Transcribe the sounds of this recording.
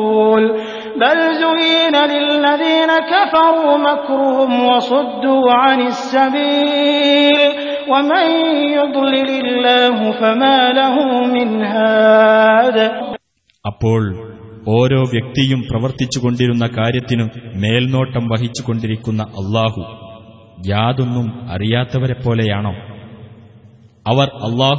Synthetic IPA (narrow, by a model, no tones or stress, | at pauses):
l | balzʊiːnalɪlːaðiːnakafɑɾˤuːmakɾʊhʊmwɑsˤʊd̪ːuːʕanɪsːabiː | l | wɐmanjʊd̪ˤlɪlɪlːaːɦʊfamaːlaɦʊmmɪnɦaː | ðaː | ɐpːo̞ːɭo̞ːɾo̞ːʋjɐk̚t̪ijumprɐʋɐrt̪it͡ɕːuɣo̞ɳɖiɾunːɐkaːɾjɐt̪ːinɨme̞ːlno̞ːʈːɐmʋɐɦit͡ɕːuko̞ɳɖiɾikʲːunːɐʔɐlˠˤːaːhu | jaːðo̞nːumɐ̰rijaːt̪ːɐʋɐɾepːo̞ːle̞jaːɳoː | ɐʋɐrɐlˠˤːɑːɦ